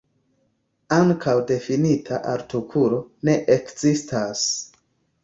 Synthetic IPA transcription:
aŋkʰawde̞finitʰaʔa̰ɾtukʰulo̞ne̞ʔekzistas

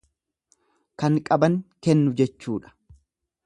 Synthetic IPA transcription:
kɐŋkʼɐbɐŋkɛnːʊd͡ʒɛt͡ʃːuːᶑɐ̥

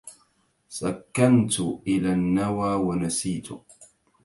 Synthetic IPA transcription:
sakːant̪ʊʔɪlaːnːawaːwanasiːt̪ʊ̰

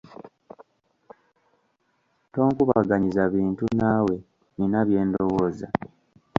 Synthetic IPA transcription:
to̞ːŋkuβaɡaɲizaβiːntunaːwe̞ | ninaβje̞ːndo̞wo̞ːza

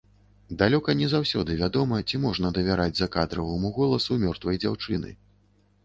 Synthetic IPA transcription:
d̪alʲɔkɐnʲɛzawsʲɔd̪ɨvʲad̪ɔmɐt͡sʲimɔʐnɐd̪ɐvʲaɾʔad͡zʲzɐkad̪ɾɐvɨmuɣɔlˠɐsumʲɔrt̪vɐjd͡zʲawt͡ʂɨnɨ̰

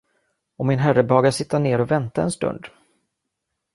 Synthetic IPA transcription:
ɔmːɪnɦærəbɑːɡaʂɪt̪ʰːaneːɾɔvɛnt̪aɛnst̪ɵ̰nd̪

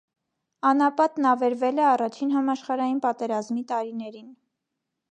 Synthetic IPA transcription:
ɑnɑpɑt̪nɑvɛɾvɛlɛɑrɑt͡ʃʰinɦɑmɑʃχɑɾɑjinpɑt̪ɛɾɑzmit̪ɑɾinɛɾin

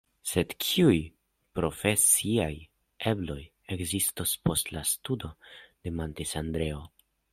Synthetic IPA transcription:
se̞dkʰiuj | pɾo̞fesiaj | e̞blo̞j | ekzistospo̞stlastudo̞d̥e̞mantesandɾe̞o̞

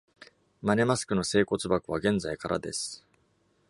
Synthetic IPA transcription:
mane̞masɨ̥kɯ̟no̞se̞ːko̞t͡sɨbakɯ̟βaɡẽ̞nd͡zaikaɾa̰d̪e̞sɨ̥

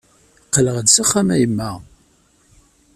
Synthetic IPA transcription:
qːələʁəd̪saχːamæjəmːæ

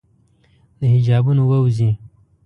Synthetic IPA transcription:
d̪əɦɪd͡ʒɑːbunowəwzĩ

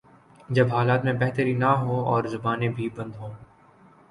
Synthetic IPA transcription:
d͡ʒɐbɦaːlaːt̪mẽbɛɦt̪əɾinɐɦoɔːɾzɐbaːnebʱibɐ̃nd̪ɦoː

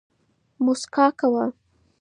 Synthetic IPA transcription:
mʊskɑkawa

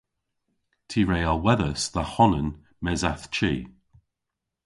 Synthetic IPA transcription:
tʰiːɹejalˠwɛðəsðəhɔnən | mɛzaθt͡ʃʰiː

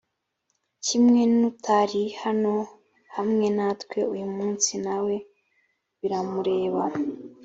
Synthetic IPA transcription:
cimŋe̞nutʰaɾihano̞ | hamŋe̞natkwe̞ujumuːnsinawe̞ | βiɾamuɾe̞ːβa

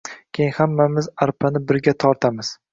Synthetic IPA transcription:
kʲʰejhamːamɪzaɾpʰanɪbɪɾɡʲat̪ʰɒɾt̪ʰamɪz̥

